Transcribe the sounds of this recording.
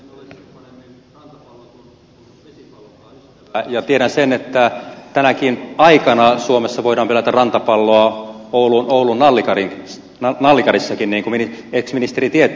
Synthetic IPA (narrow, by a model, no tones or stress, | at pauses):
t̪ | lː | jɑt̪ieɾænsenet̪ːæt̪ænækinɑikɑnɑsuomesːɑʋoiɾɑːmpelæt̪ærrɑnt̪ɑpɑlːoɑoulunoulunːɑlːikɑriŋ | nɑlːikɑrisːɑkinniːŋkumnieksminist̪erit̪ie